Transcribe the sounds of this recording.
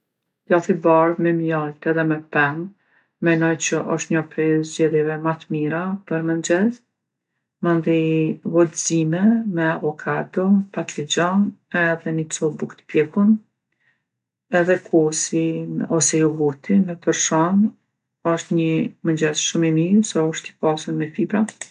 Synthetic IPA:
laθibaɾmɛmjalt̪ɛðɛmɛpɛm | mɛnɔjt͡ʃəʔɔʃt̪ɲɔpɛzd͡ʑɛðjɛvɛmat̪miɾapəɾmənd͡ʑɛz | mand̪ivɔt̪zimɛmɛavɔkʰad̪ɔpat̪lid͡ʑɔnɛðɛnit͡sɔbukt̪pjɛkun | ɛðɛkʰɔsiɔsɛjɔɡut̪ʰimɛt̪əɾʃɔn | ɔʃt̪ɲəmənd͡ʒɛzʃumimiɾsɔɔʃt̪i̥pasuɾmɛfibɾa

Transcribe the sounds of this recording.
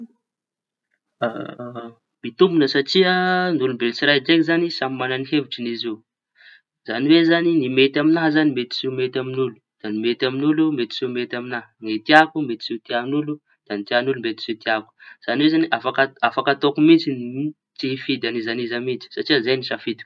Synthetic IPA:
a̰ | mit̪umbunəsaʈ͡ʂiənulumbelit͡siɾajd͡ʒekizanisamimananiɦeviʈ͡ʂinizi | zaniwezaninimet̪aminaɦzanimet̪i̥zimet̪aminulu̥d̪̥animet̪aminulumet̪i̥zimet̪aminaɦnet̪iakumet̪i̥z̥it̪ianulu | d̪̥anit̪ianulumbet̪i̥z̥et̪iaku̥z̥aniwezaniʔafakəafakat̪okumit͡sin | tiɦifid̪anizanizamit͡si̥saʈ͡ʂiəzajnisafid̪u̥

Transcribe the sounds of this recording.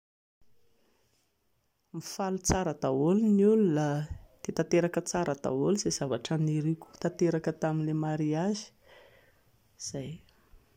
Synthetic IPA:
mifalut͡saɾəd̪aolunulunəd̪̥et̪at̪eɾakət͡saɾəd̪̥a̰oliz̥ez̥avaʈ͡ʂəniɾiku̥t̪at̪eɾakət̪aminlemaɾiazi̥ | z̥aj

